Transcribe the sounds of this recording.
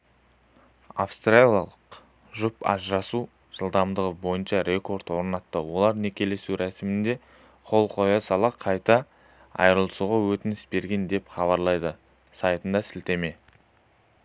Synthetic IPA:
a̰fst̪relʲija̰lˠəq | ʒʊpɑ̰zɾɑsu | ʒ̥əlˠd̪ɑmd̪əʁəbo̞jənʃɑɾe̞ko̞ɾt̪wo̞ɾnɑt̪ːəwo̞lˠɑɾne̞kʲʰe̞le̞suɾæsɪmɪnd̪e̞ | qʰo̞lˠqʰo̞jɑsɑlˠɑqʰɑjt̪ɑ | ɑ̰jɾəlˠəsuʁɑwɵt̪ɪnɪsbe̞ɾɡʲe̞nd̪e̞pχɑβɑɾlˠɑjd̪ə | sɑjt̪ənd̪ɑsɪlt̪e̞me̞

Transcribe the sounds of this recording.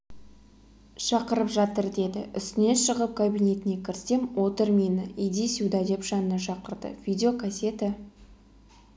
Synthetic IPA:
ʃɑqəɾəpʒɑt̪əɾd̪e̞d̪ɪ̰ʏ̰st̪ɪne̞nʃəʁəp̚kʰabijne̞t̪ɪne̞kʲʰɪɾɪsemwo̞t̪əɾminəʔijd̪isud̪ɑd̪e̞pʒ̥ɑnənɑʃɑqəɾd̪ə̰vʲid̪ʲeokʰasʲe̞t̪ɪ

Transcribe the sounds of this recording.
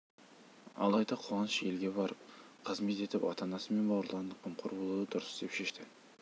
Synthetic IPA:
ɑ̰lˠɑjd̪ɑqʰoɑnəʃe̞lɡʲe̞bɑɾəp̚ | qʰəzme̞t̪e̞t̪ɪpɑ̰t̪ɑnɑsəme̞nbɑwɾlˠɑnd̪əqʰəmqʰʊɾbo̞lˠud̪əd̪ʊɾəsd̪e̞pʃe̞ʃt̪ɪ

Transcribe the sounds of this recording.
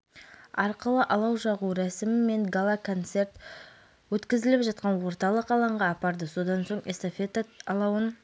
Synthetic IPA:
ɑɾqəlˠəʔɑlˠɑwʒɑʁuɾæsɪmɪmːe̞ŋɡalˠakʰo̞nt̪se̞ɾt̪ | wɵt̪kʲɪzɪlɪpʒɑt̪̚qɑnwo̞ɾt̪ɑlˠəqɑlˠɑɴʁɑːpɑɾd̪əso̞d̪ɑnso̞ɴest̪ofe̞t̪aɑlˠɑwən

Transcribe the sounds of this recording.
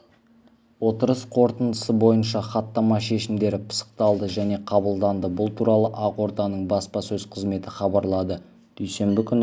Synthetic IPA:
wo̞t̪əɾəsqʰo̞ɾt̪ənd̪əsəbo̞jənʃɑχɑt̪ːɑmɑʃe̞ʃɪmd̪e̞ɾɪpʰə̥sə̥qt̪ɑlˠd̪əʒæne̞qʰɑbəlˠd̪ɑnd̪əbʊlˠt̪ʰuɾɑlˠəʔɑqwo̞ɾt̪ɑnəɴbɑspɑsɵzqʰəzme̞t̪ɪχɑbɑɾlˠɑd̪ə | d̪̥ɵjse̞mbɪkʲʰʏn

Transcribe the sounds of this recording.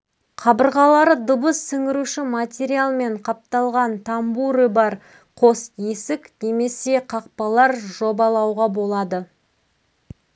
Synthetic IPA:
qʰɑbəɾʁɑlˠɑɾəd̪ʊbəsːɪŋɪɾuʃɪmat̪ʲeɾialˠme̞ɴqʰɑp̚t̪ɑlˠʁɑnt̪ʰɑmbuɾəbɑɾ | qʰo̞sje̞sɪkne̞me̞se̞qʰɑq̚pɑlˠɑɾʒo̞bɑlˠɑwʁɑbo̞lˠɑd̪ə

